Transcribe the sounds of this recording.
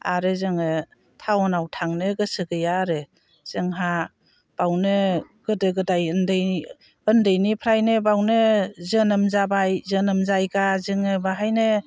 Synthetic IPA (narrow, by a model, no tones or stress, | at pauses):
a̰ɾɯzɯŋɯ | tʰawɔnawtʰaŋnɯɡɯsɯɡɯjaɾɯ | z̥ɯŋɦa | b̥awnɯ | ɡ̥ɯdɯɡɯdajɯndɯj | ɯndɯjnipʰɾajnɯbawnɯzɯnɯmzabajzɯnɯmzajɡazɯŋɯbaɦajnɯ